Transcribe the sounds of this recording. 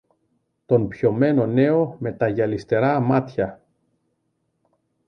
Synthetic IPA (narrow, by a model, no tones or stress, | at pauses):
t̪o̞npço̞me̞no̞ne̞o̞me̞t̪ɐʝɐlist̪e̞ɾɐmɐt̪çɐ